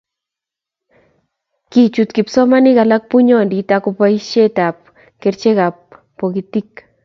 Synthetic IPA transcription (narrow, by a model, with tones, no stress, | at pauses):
kit͡ʃut̪ki˨psɔ˦ma˦ni˦kala˦k̚pu˦ɲɔ˨nditako˧pa˦iʃe˦ta˨p̚ | keɾt͡ʃe˦ka˨pː | o˨kitik̚